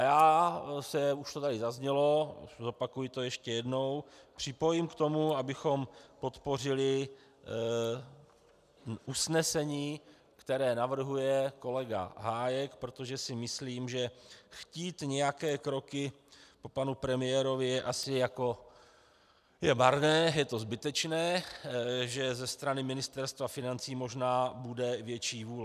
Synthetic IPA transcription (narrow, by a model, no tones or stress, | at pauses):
ʔajaːsɛuʃt̪ot̪adɪzazɲɛlo̞zo̞pakujɪt̪o̞jɛʃcɛjɛdno̞wpr̥ɪpo̞jɪmkt̪o̞muabɪxo̞mpo̞t̪po̞r̝ɪlɪ | ʔusnɛsɛɲiː | kt̪ɛɾɛːnavr̩ɦujɛko̞lɛɡa̰ɦaːjɛkpɾo̞t̪o̞ʒɛsɪmɪsliːmʒɛxciːt̪ɲɛjakɛːkɾo̞kɪ | popanupɾɛmɪjɛːɾo̞vɪjɛʔasɪjako̞ | jɛbaɾnɛːjɛt̪o̞zbɪt̪ɛt͡ʃnɛː | ʒɛzɛst̪ɾanɪmɪnɪst̪ɛɾst̪vafɪnant͡siːmo̞ʒnaːbudɛvjɛt͡ʃiːvuːl